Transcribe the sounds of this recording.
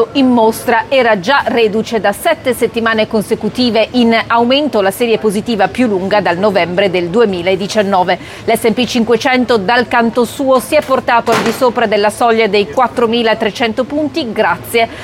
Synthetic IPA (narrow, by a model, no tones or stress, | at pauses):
oimːost̪ɾaɛːɾad͡ʒared̪ut͡ʃed̪asɛt̪ːeset̪ːimaːnekonsekut̪iːveʔinawment̪olasɛːɾjepozit̪iːvapjulːuŋɡad̪alnovɛmbɾed̪eld̪uemiːlaed̪it͡ʃanːɔːve | lɛsːempit͡ʃiŋkwet͡ʃɛnt̪od̪alkant̪osuːosiɛpːort̪aːt̪oald̪isoːpɾad̪elːasɔʎːad̪ejkwat̪ːɾomiːlaet̪ɾet͡ʃɛnt̪opunt̪iɡɾat̪sːje